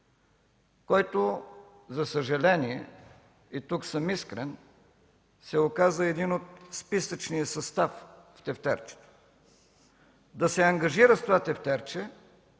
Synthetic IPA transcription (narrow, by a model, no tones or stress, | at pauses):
kɔjt̪o | zɐsɐʒɐlɛniɛ | it̪uksəmiskɾɛn | sɛokazəɛd̪inot̪spisət͡ʃnijəsɐst̪afft̪ɛft̪ɛ̰ɾt͡ʃɛ̥t̪o̥ | d̪ɐsɛɐŋɡɐʒiɾəst̪ovat̪ɛft̪ɛɾt͡ʃɛ